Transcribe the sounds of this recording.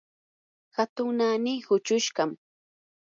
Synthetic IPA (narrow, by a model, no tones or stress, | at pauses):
xat̪ʊŋnanijhʊt͡ʃʊʃɢɑm